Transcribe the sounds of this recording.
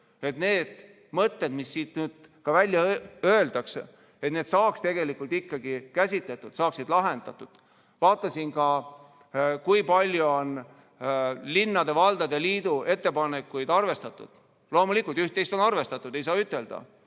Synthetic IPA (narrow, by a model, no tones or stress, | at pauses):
e̞t̪ne̞ːd̪̥ | mɤt̪ːe̞d̪̥misːiːt̪nyːd̪̥̚kɑvælʲːjɑø̞eld̪ɑks | e̞t̪ne̞ːd̪sɑːkst̪e̞ɡ̥e̞likːˑult̪ikːɑɡikæsʲit̪le̞t̪ːˑud̪̥sɑːksid̪lɑɦe̞nd̪̥ɑt̪ːˑud̪̥ | vɑːt̪ːˑɑsinkɑ | kujpɑlʲjuon | linːɑd̪e̞vɑld̪̥ɑd̪eliːd̪ue̞t̪ːepɑnekːˑujd̪̥ɑrve̞st̪ɑt̪ːˑṵd̪̥ | lo̞ːmulikːˑult̪yht̪ːe̞jst̪o̞nɑrve̞st̪ɑt̪ːˑud̪̥e̞js̬ɑːyt̪ːˑe̞ld̪̥ɑ̰